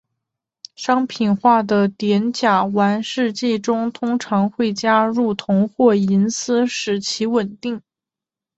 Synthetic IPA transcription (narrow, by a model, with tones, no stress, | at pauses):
ʂɑ˥ŋpʰi˨˩nxwa˥˩d̪ə˩t̪jɛ˧˥nt͡ɕja˨˩wa˧˥nʂɻ̩˥˧t͡ɕi˥˩ʈ͡ʂʊ˥ŋt̪ʰʊ˥ŋʈ͡ʂʰɑ˧˥ŋxwe˥˩ɪt͡ɕja˥ɻu˥˩t̪ʰʊ˧˥ŋxwɔ˥˩i˧˥nsɹ̩˥ʂɻ̩˨˩t͡ɕʰi˧˥wə˨˩nt̪i˥˩ŋ